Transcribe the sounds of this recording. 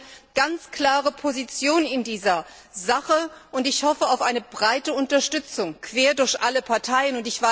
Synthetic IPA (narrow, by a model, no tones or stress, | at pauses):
ɡ̥ant͡skl̥aːʁəpʰozit͡sjoːnɪndiːzɐ | zaχəʔʊntɪçhɔfəaʊfʔaɪnəbʁaɪtəʊntɐʃtʏt͡sʊŋkʰv̥eːɐdʊɐçʔaləpʰaɐtʰaɪənʊntɪçv̥a